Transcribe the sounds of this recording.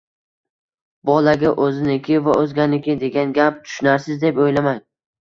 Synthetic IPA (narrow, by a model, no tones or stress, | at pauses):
bɒlaɡʲaʔɵzɪnɪkʲʰɪvaɵzɡʲanɪkʲʰɪd̪e̞ɡʲanɡʲap̚t̪ʰʊ̥ʃnaɾsɪzd̪e̞pojlamaŋ